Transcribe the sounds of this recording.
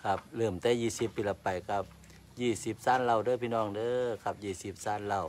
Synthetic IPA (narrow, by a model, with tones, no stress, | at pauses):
kʰa˧p̚lɯː˧˩mt̪ɛː˧˥˨jiː˧˩si˧˦pːiː˧˨la˧pːa˨jka˧p̚ | jiː˧˩si˧˦p̚saː˧˥˨nla˧˩˨wdɤː˧˨pʰi˧˨nɔː˧˩˨ŋdɤː˧˨kʰa˧˦p̚jiː˧˩si˧˦p̚saː˧˩˨nla˧˩˨w